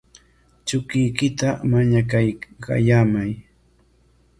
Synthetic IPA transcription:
t͡ʃʊkɪjkɪt̪amaɲakajka̰jaːmaj

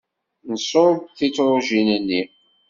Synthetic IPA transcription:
nəsoɾb̚θit͡sːɾˤoʒinənːi

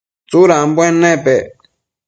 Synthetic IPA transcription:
t͡suɾambwɛ̃nɛ̃pɛ

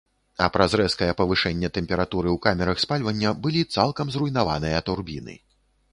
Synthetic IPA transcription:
ɐpɾɐzɾɛskɐjɛpɐvɨʂɛnʲːɛt̪ɛmʲpʲɛɾat̪uɾɨwkamʲɛɾɐxspalʲvɐnʲːɐbɨlʲit̪salˠkɐmzrujnava̰nɨjɐt̪urbʲinɨ̰

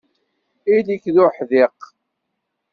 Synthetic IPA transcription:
ilikːðʊħðɪq

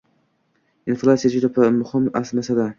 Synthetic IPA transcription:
ɪnflʲˠat̪sijad͡ʒʊd̪apʰmʊhɪmasnasad̪a

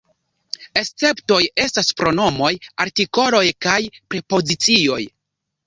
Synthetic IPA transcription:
e̞st͡se̞pto̞je̞staspɾo̞no̞mo̞jaɾtiko̞lo̞jkajpɾe̞po̞zit͡sio̞̰j

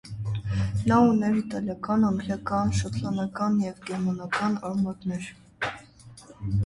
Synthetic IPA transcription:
nɑunɛɾit̪ɑljɑkɑnɑŋɡɾjɑkɑnʃət̪ʰlɑnɑkɑnjɛvɡɛɾmɑnɑkɑnɑɾmɑt̪nɛɾ

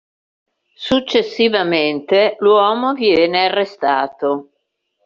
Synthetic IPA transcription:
sut͡ʃːesːivament̪elwɔːmovjɛːnearːest̪aːt̪o

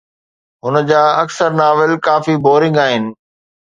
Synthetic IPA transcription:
ɦʊnə̆d͡ʑaːɐksəɾnaːʋɪlkaːfiboːɾɪ̃ŋɡaːɦɪnɪ̆

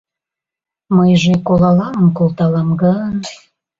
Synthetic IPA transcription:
məjʒekolɑlɑənkolˠt̪ɑlɑmɡəən

